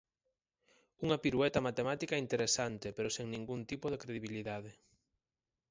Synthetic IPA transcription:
uŋɐpiɾwɛt̪ɐmat̪emat̪ikaint̪eɾesant̪epeɾoseŋnĩŋɡunt̪ipoðekɾeðiβ̞iliðað̞e

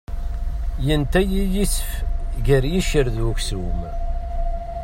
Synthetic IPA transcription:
jənt̪æjijisfʝəɾjiʃəɾðwuksum

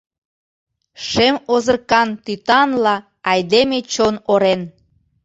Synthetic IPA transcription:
ʃemozərkɑnt̪yt̪ɑnlɑː | jd̪emet͡ɕonoɾen

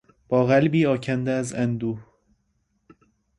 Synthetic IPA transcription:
b̥ɒːɣælbiːɒːcʰænd̪eæzænd̪uːh

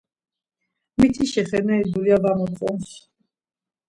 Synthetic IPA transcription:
mit̪ʰiʃɛχɛnaid̪uliavamɔt̪χʼɔns

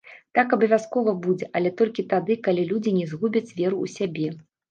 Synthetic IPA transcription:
t̪akɐbɐvʲaskɔvɐbud͡zʲɛʔɐlʲɛt̪ɔlʲkʲit̪ad̪ɨkalʲilʲud͡zʲinʲɛzɣubʲɐt͡sʲvʲɛɾuṵsʲabʲɛ

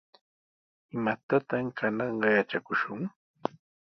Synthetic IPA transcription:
ɪmat̪at̪amkʰanɑɴɢɑjat͡ʃakʊʃʊŋ

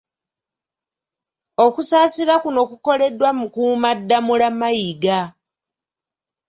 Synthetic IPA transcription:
o̞kusaːsiɾakuno̞kuko̞le̞dwamukuːmadːamulamajiɡa

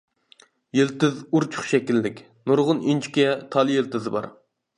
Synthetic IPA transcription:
jelt̪ɪzuɾt͡ʃʰu̥χʃɛkʲilːɪkʲ | nuɾʁʊnint͡ʃʰi̥kʲɛt̪ʰɑlˠjelˠt̪ɪzɨbɑ̰ɾ

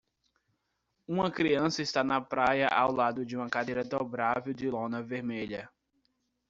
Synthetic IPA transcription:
ũmɐkɾiɐ̃sɐɪst̪anɐpɾajɐ̰ʔawlad̪ʊd͡ʒɪũmɐkad̪ejɾɐd̪obɾavewd͡ʒɪlõnɐveɾmeʎɐ

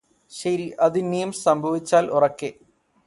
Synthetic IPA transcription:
ɕɐɾiʔɐðinijumsɐmbʱɐʋit͡ɕːaːlʔurɐkːe

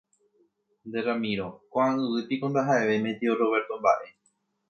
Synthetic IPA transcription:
nd̪eɾamĩɾo̞kʷaãɨʋɨpikond̪aɦae̞ʋe̞mẽt̪ioɾoβe̞ɾt̪õ̞mba̰ʔe̞

